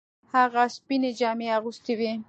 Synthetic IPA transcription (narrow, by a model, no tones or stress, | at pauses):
haɣaspined͡ʒɑmeaɣust̪ewi